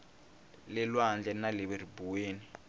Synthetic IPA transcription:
lɛlwand͡ɮʱɛnalɛβeribuweːni

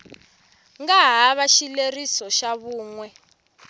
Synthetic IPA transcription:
ŋɡaɦaβaʃilerisɔʃaβuːŋwɛ

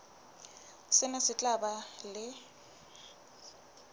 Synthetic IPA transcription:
sɪnasɪt͡ɬʼabalɪ

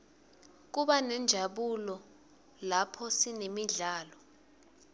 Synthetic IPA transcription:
k̬uɓanɛnd͡ʒʱaɓulɔ | lapʰɔsinemiɮaːlɔ

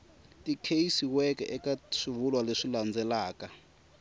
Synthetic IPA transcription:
tikʰeisiwɛkɛ̰ʔɛkaʂivulwaleʂiland͡zɛlaːka

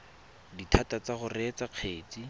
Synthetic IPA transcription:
ditʰatat͡saχʊrɛt͡saq͡χʰeːt͡si

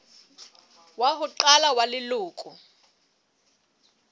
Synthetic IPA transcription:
waɦʊǃalawalɪlʊːkʼu

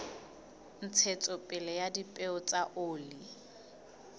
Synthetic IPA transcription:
n̩t͡sʰet͡sʼʊpʼɪlɛjadipʼeʊt͡sʼaʔoːli

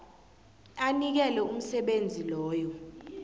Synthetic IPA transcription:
anik̬ɛlɛum̩sɛɓend͡zʱilɔːjɔ

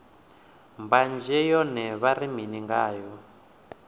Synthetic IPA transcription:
mband͡ʒɛjɔnɛβariminiŋɡaːjɔ

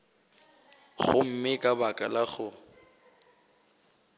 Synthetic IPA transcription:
χʊm̩mɪkʼabakʼalaɣʊ

